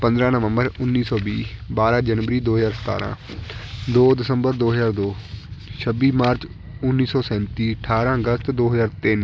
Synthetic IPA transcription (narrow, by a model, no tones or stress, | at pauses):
pə̃nd̪ɾãːnəʋə̃mbəɾʊnːiːsɔːbiːbaːɾãːd͡ʒənʋəɾiːd̪oːɦəzaːɾsə̥t̪a̰ːɾã̰ː | d̪oːd̪ɪsəmbəɾd̪oːɦəzaːɾd̪oːʃʰəbiːmaːɾt͡ʃ | ʊnːiːsɔːsɛ̃ːnt̪iːəʈʰaːɾãːəɡəst̪d̪oːɦəzaːɾt̪ɪn